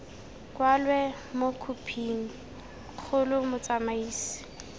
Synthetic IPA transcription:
kwalwɛ | mokʰupʰiːŋ̩ | q͡χʰʊlʊmʊt͡samaiːsi̥

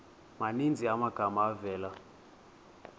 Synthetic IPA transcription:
manind͡zʱiamaɡ̥ʱamaːvɛːla

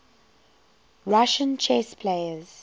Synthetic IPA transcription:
ɹaʃə̃nt͡ʃʰɛspʰleɪəz̥

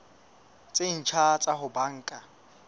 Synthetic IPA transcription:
t͡sʼɪn̩t͡ʃʰat͡sʼaɦʊbaŋ̩ːkʼa

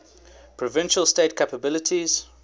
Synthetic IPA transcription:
pʰɹɔvɪ̃nʃəlˠstetkʰapəbɪlɪtʰiz̥

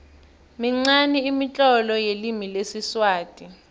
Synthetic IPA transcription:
miŋ͡ǀaniːmit͡ɬʼɔlɔjelimilesiswaːtʼi

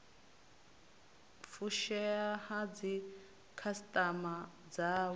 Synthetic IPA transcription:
fuʃɛahad͡zi | kʰastʼama | d͡za

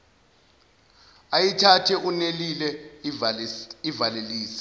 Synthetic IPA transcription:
ajitʰatʰɛʔunelilɛ | ivaleliːsi̥

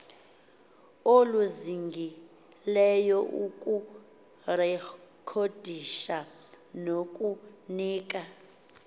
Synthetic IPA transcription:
oluziŋɡʱi | lɛjɔʔukʼu | rɛkʰod̥ʱiʃa | nokʼuniːk̬ʼa

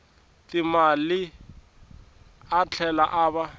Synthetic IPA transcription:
tɪmalɪ | at͡ɬʰɛlaʔaːba

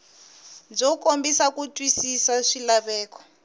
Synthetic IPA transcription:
d͡zɔkombisakutʼwisisaʂilaβɛːkɔ̥

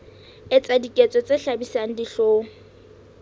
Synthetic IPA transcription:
ɪt͡sʼadikʼet͡sʼɔt͡sʼeɬabisaŋ̩diɬoːŋ̩

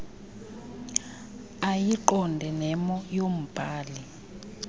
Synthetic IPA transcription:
ajiǃɔndʱɛnɛmɔjom̩b̥ʱaːli

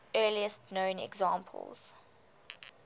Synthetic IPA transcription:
ɜːliəstnõʊ̃nɛ̰ɡzɑ̃ːmpʰə̰lˠz̥

